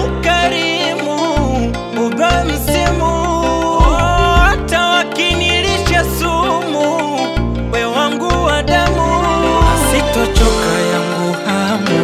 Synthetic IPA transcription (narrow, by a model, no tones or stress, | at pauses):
kaɾi | mu | muðam̩simu | atawakiniliʃasumu | wɛwaŋɡuwaɗamu | sitɔt͡ʃɔkajaŋɡuha | m